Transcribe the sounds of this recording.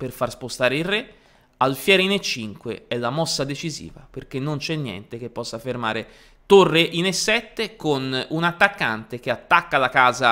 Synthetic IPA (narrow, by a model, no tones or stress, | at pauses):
perfarspost̪aːɾeirːe | alfjɛːɾinet͡ʃːiŋkweɛlːamɔsːad̪et͡ʃizḭːva̰perk̟enːont͡ʃɛnːjɛ̰nt̪ek̟epːɔsːaferma̰ːɾe | t̪orːeʔinesːɛt̪ːekonunat̪ːakːant̪ek̟eat̪ːakːalakaːza